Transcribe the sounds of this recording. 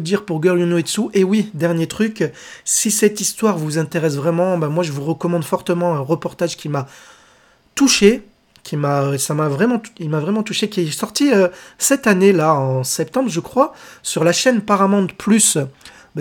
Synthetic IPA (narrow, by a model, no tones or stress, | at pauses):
d̪iʁpuʁɡœʁljunoed̪suʔewid̪ɛʁnjet̪χykʲsisɛt̪ist̪waʁvuzɛ̃t̪eʁɛsvʁɛmɑ̃bamwaʒəvuʁəkɔmɑ̃d̪fɔʁt̪əmɑ̃ɛ̃ʁəpɔʁt̪aʒkʲima | t̪uʃe | kʲimaøsamavʁɛmɑ̃ilmavʁɛmɑ̃t̪uʃekʲiɛsɔʁt̪iøsɛt̪anelaɑ̃sɛp̚t̪ɑ̃bʁʒəkχwasyʁlaʃɛnapaʁamɑ̃d̪əplys